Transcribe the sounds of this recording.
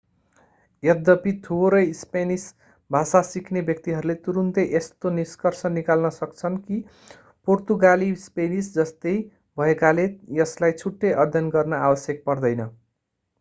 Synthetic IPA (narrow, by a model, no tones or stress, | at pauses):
jʌd̪ʌpit̪ʰuɾʌjspenis | bʱasasikʰnebjʌk̚t̪iɦʌɾulet̪uɾunt̪eʔest̪oniskʌrsʰʌnikalnʌsʌkt͡sʰʌnki | port̪uɡalispenisd͡zʌst̪ej | bʱʌekalejʌslajt͡sʰuʈːeʔʌd̪ʱjʌnɡʌrnʌabʌsjʌk̚pʌrd̪ʌjnʌ